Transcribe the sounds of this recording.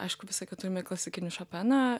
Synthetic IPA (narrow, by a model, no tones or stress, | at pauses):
ʔɐ̰ɪʃkʊʋʲɪsɐkʲɛt̪ʊɾʲɪmʲɛklˠɐsʲɪkʲɪnʲɪʃɐpʲænɐ